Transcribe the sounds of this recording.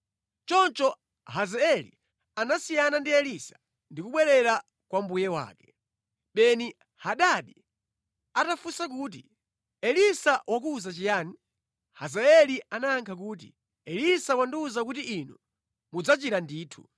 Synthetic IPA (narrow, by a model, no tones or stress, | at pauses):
t͡ʃɔnt͡ʃɔ | ɦazaɛlḭ | anasijanandiɛlisḁ | ndikuɓwɛɾɛɾa | kwambujɛwa̰ːkɛ̥ | ɓɛni | haɗaɗi | atafusakuːt̬i | ɛlisawak̬uːzat͡ʃijaːni | hazaɛlianaːŋkʰak̬uːt̬ḭ | ɛlisawanduːzak̬utiʔinu | mud͡zat͡ʃiɾandiːtʰu̥̰